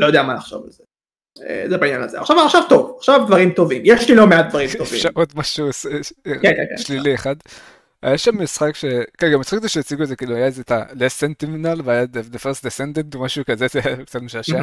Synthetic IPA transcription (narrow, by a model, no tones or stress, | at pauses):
lojod̪eamanaχʃo̰va̰lze | ḛzebainja̰na̰lzea̰χʃavaχʃavt̪ovaχʃavd̪vaʁimt̪o̞vimjeʃlilomeat̪̚d̪vaʁimt̪ovḭmʃaʔot̪maʃuoseekḛʃlilieχad̪ | a̰jaʃamːisχakʃekːɡamitt͡sχakzeʃejt͡siɡuetzekiːluajazet̪alesent̪iminalveajad̪ed̪efestd̪esend̪entomaʃukazezeakt͡sat̪meʃaʃe